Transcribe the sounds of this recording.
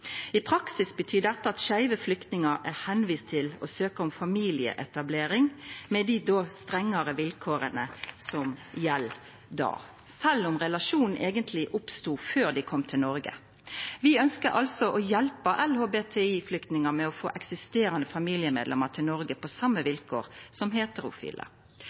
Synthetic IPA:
ɪpʰɾɑksɪsbət̪ʰyːd̪ɛt̪ːəɑt̪ʃæɪʋəflʏkt̪nɪŋəɾæʁhɛnʋiːst̪ʰɪlɔsøːkəɔmfɑmiːlɪə̰ʔɛt̪ɑbleːɾɪŋmɛd̪ɪd̪oːst̪ɾɛŋːəɾəʋɪlkʰoːɾənəsɔmjɛl | d̪ɑ̰ː | sɛlːʊmʁɛlɑʂuːnn̩ʔeːɡənt̪ʰlɪʔʊpst̪uːføːʁd̪æɪkʰɔmːt̪ʰɪlnɔɾɡə̰ | ʋɪœnskəʔɑlsɔʔɔjɛlpəʔɛlhoːbeːt̪ʰeiːflʏkt̪nɪŋɑmɛɔfo̰ːʔɛksɪst̪eːɾɑnəfɑmiːlɪəmḛd̪lɛ̰mɑʁt̪ʰɪlnɔɾɡəpʰɔsɑmːəʋɪlkʰo̰ːʁsɔmɦeːt̪əɾʊ̰fḭːlə̰

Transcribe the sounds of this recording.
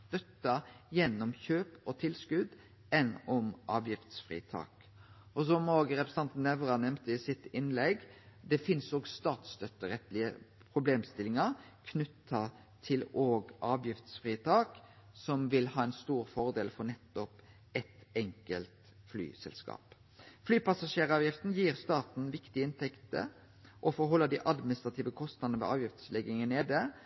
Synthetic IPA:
st̪œt̪ːɑjɛnːɔmçøːpɔt̪ʰɪlskʉd̪ | ɛnɔmʔɑːʋjɪft̪sfʁḭːt̪ʰɑ̰ːk | ɔsɔmoːɡəɾɛpɾɛsɑnt̪nɛʋʁɑnɛmt̪əɪsɪt̪ɪnlɛɡd̪ɛfɪnsoːɡst̪ɑːt̪st̪œt̪ːəɾɛt̪lɪə | pʰɾʊbleːmst̪ɪlɪŋɑ | kʰnʉt̪ʰːɑ | t̪ʰɪloːɡʔɑːʋjɪft̪sfʁiːət̪ʰɑːk | sɔmʋɪlhɑːɛnst̪uːɾfɔʁd̪eːlfɔɾnɛt̪ːɔp | ɛt̪ɛŋkəlt̪ | fly̰ːsɛ̰lskɑ̰ːp | flyːpɑsɑʂeːʁɑːʋjɪft̪n̩jiːʁst̪ɑːt̪n̩ʋɪkt̪ɪɪnt̪ɛkt̪ə̰ | ʔɔfɔɾɦɔlːəd̪iʔɑd̪mɪnɪst̪ɾɑt̪ʰiːʋəkʰɔst̪nɑd̪nəʋḛːʔɑːʋjɪft̪slɛɡɪŋəneːd̪ə

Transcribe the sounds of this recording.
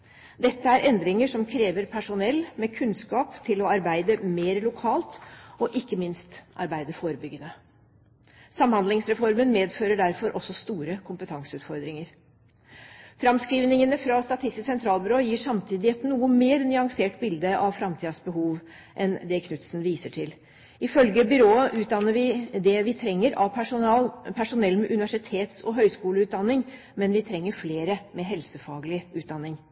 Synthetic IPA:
d̪ɛt̪ːəæɾʔɛnd̪ɾɪŋəʂɔmkʰɾeːʋəɾpʰæʂʊnɛlːmeːkʰʉnskɑːpt̪ʰɪlɔɑɾbæɪd̪əmeːɾlʊkʰɑːlt̪ɔʔɪkːəmɪnst̪ʔɑ̰ɾbæɪd̪əfoːɾəbʏɡːənə | sɑmhɑnd̪lɪŋsɾɛfɔɾmənmeːd̪føːɾəɖæɾfɔɾʔɔsːɔst̪uːɾəkʰʊmpət̪ʰɑŋsəʉːt̪fɔɾd̪ɾɪŋəɾ | fɾɑmskɾiːʋnɪŋənəfɾɑst̪ɑt̪ʰɪst̪ɪssɛnt̪ʰɾɑːlbʏɾoːjiːʂɑmt̪ʰiːd̪ɪɛt̪nuːəmeːɾnʏɑŋseːʈbɪld̪əʔɑʋfɾɑmt̪ʰiːd̪ɑsbəɦuːʋ | ʔɛnd̪ɛkʰnʉt̪snʋiːsəʈʰɪl | ɪfœlɡəbʏɾoːəʔʉːt̪̚d̪ɑnːəʋɪd̪ɛʋɪt̪ʰɾɛŋːəɾʔɑʋ̪ | pʰæʂʊnɛlːmɛʔʉnɪʋæʂɪt̪ʰeːt̪sɔɦœʏskuːləʉːd̪ɑnːɪŋ | mɛnʋɪt̪ʰɾɛŋːəɾfleːɾəmɛɦɛlsəfɑːɡəlɪʉːt̪̚d̪ɑnːɪŋ

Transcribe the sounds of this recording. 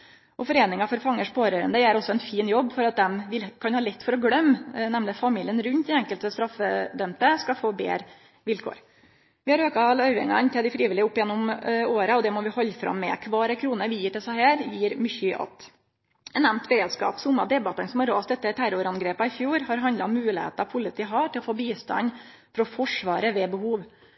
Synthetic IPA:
ʔɔfɔɾeːnɪŋɑfɔɾfɑŋːəʂpʰoːɾøːɾə̰nd̪əæɾɔsːɔɛnfiːnjɔbːfɔɾɑt̪̚d̪ɛmʋɪlkʰɑnhɑːlɛt̪ːfɔɾɔɡɽœmːnɛmlɪfɑmiːlɪənɾʉnt̪̚d̪ɛɛŋkəlt̪əst̪ɾɑfːəd̪œmt̪əskɑfoːbḛːɾ | ʋɪlkʰo̰ːɾ | ʋɪhɑɾøːkɑlɑʉʋɪ̰ŋɑ̰nt̪ʰɛld̪ɪfɾiːʋɪlɪʊpːjɛnːʊmoːɾəɔd̪ɛmɔʋɪhɔlːfɾɑ̰mːɛ̰kʰʋɑːɾəkʰɾuːnəɾʋɪjiːʈɪlsæhæːɾjiːɾmʏçʏʔɑ̰t̪ | ɛnæmnt̪bəɾeːd̪skɑ̰ːpsʊmːɑd̪ɛbɑt̪ənsɔmhɑɾoːsd̪ɛt̪ːəʈ̪ʰæɾʊɾɑnɡɾeːpɑɪfjuːɾhɑɾɦɑnd̪ɑɔmːʉːlɪhḛːt̪ɑpʰʊlɪt̪ʰiːɦɑːʈʰɪlɔfoːbiːst̪ɑ̰n | fɾɔfɔʂʋɑːɾəʋɛbəhuːʋ

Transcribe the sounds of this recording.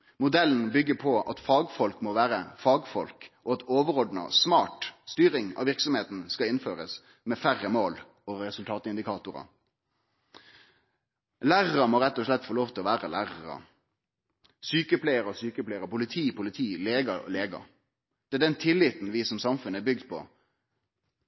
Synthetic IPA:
mʊd̪ɛlːn̩bʏɡːəpʰɔɑ̰t̪fɑːɡfɔlkmɔʋæːɾəfɑːɡfɔlkʔɔɑt̪oːʋəɾɔɖnɑ̰smɑːʈst̪yːɾɪŋɑ̰ʋɪʁksɔmheːt̪n̩skɑɪnføːɾəs | mɛfæʁəmoːl | oɾɛsʉlt̪ʰɑːt̪ɪnd̪ɪkʰɑːt̪ʊɾɑ̰ | læːʁəɾəmɔɾɛt̪ːɔʂlɛt̪ːfoːloːʋt̪ɪlɔʋæːʁəlæːʁəʁɑ̰ | syːkəpʰleɪəɾəsyːkəpleɪəʁəpʰʊlɪt̪ʰiːpʰʊlɪt̪ʰiːleːɡɑ̰leːɡɑ̰ | d̪̥ɛæːɖ̪ɛnt̪ʰɪlːɪt̪n̩ʋɪsɔmsɑmfʉnːəbʏɡ̚d̪pʰɔ̰

